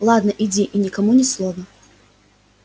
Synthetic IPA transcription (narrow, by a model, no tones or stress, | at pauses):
lˠad̪nɐʔid͡zʲiʔinʲɪkamunʲɪslˠɔvɐ